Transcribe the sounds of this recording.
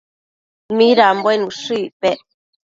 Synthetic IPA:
miɾambenuʂipɛʔ

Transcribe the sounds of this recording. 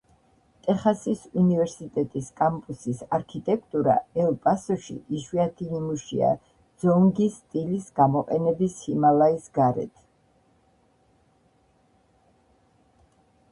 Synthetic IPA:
t̪ʼɛχasisunivɛɾsit̪ʼɛt̪ʼiskʼampʼusisaɾkʰit̪ʼɛkʰʼt̪ʼuɾa̰ɛlˠpʼasɔʃḭʔiʃwiat̪ʰinimuʃḭa̰ | d̪z̥ɔŋɡist̪ʼilisɡamɔqʼɛnɛbishimalaisɡaɾɛ̰t̪ʰ

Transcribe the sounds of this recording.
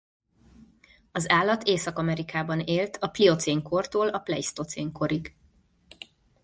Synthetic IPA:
ɒzaːlːɒt̪ʰeːsɒkɒmɛɾikaːbɒneːlt̪ʰɒplio̞t̪seːŋko̞rt̪oːlɒplɛ̰ist̪o̞t̪seːŋko̞ɾiɡ

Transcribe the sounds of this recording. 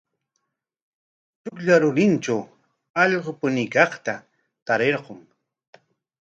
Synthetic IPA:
t͡ʃʊkʎaɾʊɾɪnt͡ʃaw | ɑʎɢopʊnɪkɑχt̪a | t̪aɾeɾqoŋ

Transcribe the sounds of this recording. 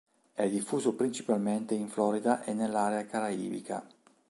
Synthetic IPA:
ɛd̪ifːuːzopɾint͡ʃi̥palment̪eiɱflɔːɾid̪aʔenːelːaːɾeakaɾaḭːvḭka̰

